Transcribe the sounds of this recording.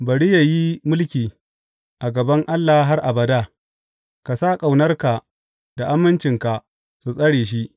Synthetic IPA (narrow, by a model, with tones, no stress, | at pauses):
bɐ˨ɽi˦ja˨ji˦mʊ˦lkʲiː˨ | ʔa˨ɡɐ˨bɐ˦ŋʔa˦lːa˨˦ɦa˦rʔa˨bɐ˨daː˦˨ | ka˨saː˦kʼa˨wnɐ˦rka˨ | d̥a˨ʔa˦mːɪ˦nt͡ʃɪ˨ŋka˨ | su˨sʼɐ˦ɽeː˨ʃ̬i˦ʔ